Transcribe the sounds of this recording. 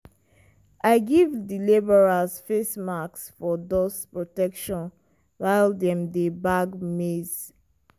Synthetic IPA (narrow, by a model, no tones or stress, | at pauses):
aɪɡivdilibɔɹasfesmaksfɔdɔspɹɔtɛkʃɔ̃n | waɪldɛ̃mdebaɡmez